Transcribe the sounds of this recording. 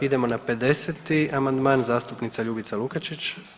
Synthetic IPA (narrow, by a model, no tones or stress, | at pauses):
id̪e̞mo̞nape̞d̪e̞set̪iamand̪maːnzaːst̪upnit̪saʎubit̪salukat͡ʃit͡ʃ